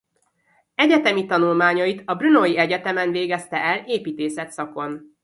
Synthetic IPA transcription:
ɛɟɛt̪ɛmit̪ɒnulmaːɲɒjit̪ɒbrynojiɛɟɛt̪ɛmɛnveːɡɛst̪ɛʔɛleːpiːt̪eːsɛt̪sɒko̞n

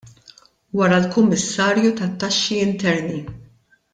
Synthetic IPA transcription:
wɐɾɐlkʊmːɪsːɐːɾjut̪ɐt̪ːɐʃːiɪnt̪ɛɾni

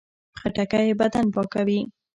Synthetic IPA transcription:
xaʈakajebad̪anpɑkawi

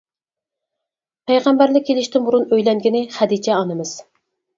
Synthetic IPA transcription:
pʰæjʁæmbæɾlɪkʲʰːelɪʃt̪ɪnbuɾunøjlɛŋɡʲinɪχæd̪it͡ʃʰɛɑnɨmɨz̥

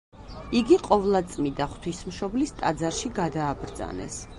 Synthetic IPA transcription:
iɡiqʼɔvlˠat̪sʼmid̪aχt̪ʰwismʃɔblist̪ʼad̪zaɾʃiɡad̪aːbɾd̪za̰nɛ̰s

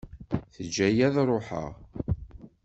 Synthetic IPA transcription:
θəd͡ʒːæjæðɾˤoħə̰ʁ

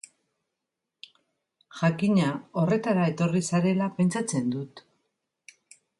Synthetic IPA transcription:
ʝakiɲao̞re̞t̪aɾae̞t̪o̞risaɾe̞lape̞nt͡sat͡se̞nd̪ut̪

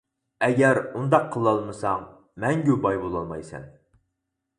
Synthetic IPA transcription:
ɛɡʲɛɾund̪ɑqʰːəlˠɑlˠmɨsɑŋ | mɛŋɡʲubɑjbolˠɑlˠmɑjsɛ̰n

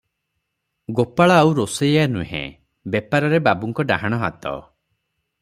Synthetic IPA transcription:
ɡopaɭaːwɾosejanuɦḛ̃ | bepaɾɔɾebabuŋkɔɖaɦaɽ̃ɔɦa̰t̪ɔ̰

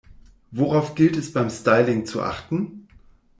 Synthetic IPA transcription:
voʁaʊfɡ̥ɪltɛsb̥aɪmstaɪlɪŋt͡suʔa̰χtn̩

